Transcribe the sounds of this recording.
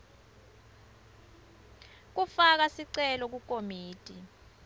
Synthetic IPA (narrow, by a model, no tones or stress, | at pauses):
k̬ufak̬asiǀɛlɔk̬ukʼomiːtʼi